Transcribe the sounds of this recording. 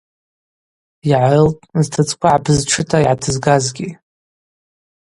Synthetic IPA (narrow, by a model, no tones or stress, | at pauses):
iʕaɨltʼztʰɨt͡sʼkʷʰaʕabʰɨzʈ͡ʂʰɨtʰaiʕatʰɨzɡazɡʲi